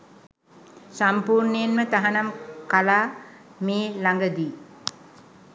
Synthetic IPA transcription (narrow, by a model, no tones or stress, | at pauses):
sampuːɾɳəjenmət̪aɦanamkalaːmeːlaŋɡəd̪iː